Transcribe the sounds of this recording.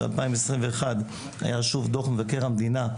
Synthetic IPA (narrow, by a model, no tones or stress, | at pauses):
a̰lpaimesʁimveːχad | a̰jaʃuvd̪oχmevakeʁhamd̪ina